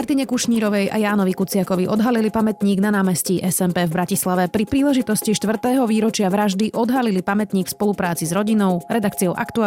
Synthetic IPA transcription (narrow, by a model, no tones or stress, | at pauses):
aɾt̪iɲɛkuʃɲiːɾɔʋɛjʔa̰jaːnɔʋikut͡sɪakɔʋiʔɔd̪ɦalilipamɛt̪ɲiːɡnanaːmɛsciʔɛsɛmpɛvbɾacislaʋɛpɾipɾiːlɛʒit̪ɔsciʃt̪ʋr̩t̪ɛːɦɔʋiːɾɔt͡ʃɪaʋɾaʒd̪iʔɔd̪ɦalilipamɛt̪ɲiːkfspɔlupɾaːt͡sizɾɔɟinɔʊɾɛd̪akt͡siɔʊʔa̰kt̪ua